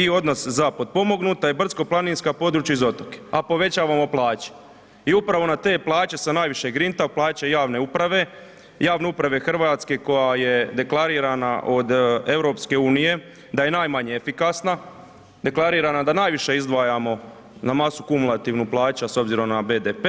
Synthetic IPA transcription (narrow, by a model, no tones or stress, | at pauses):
io̞d̪no̞szapod̪̚po̞mo̞ɡnut̪aibr̩sko̞plˠaniːnskapo̞d̪ɾuːt͡ɕjaizo̞t̪oke̥apo̞ʋe̞t͡ɕaːʋamo̞plˠaːt͡ɕe̥ | iupɾaʋo̞nat̪e̞ːplˠaːt͡ɕe̞sanaːjʋiʃeɡɾint̪aplaːt͡ɕajaːʋne̞upɾaʋe̞ | jaːʋne̞upɾaʋe̞xr̩ʋat̪ske̞ko̞jaje̞d̪e̞klˠaɾiːɾanaʔo̞d̪e̞ʋɾo̞ːpske̞uːnije̞ | d̪aje̞naːjmaɲeefikasna | d̪e̞klˠaɾiːɾanad̪anaːjʋiʃe̞izd̪ʋaːjamo̞ | namasukumulˠat̪iʋnuplˠaːt͡ɕaso̞bziɾo̞mnabe̞ːd̪epe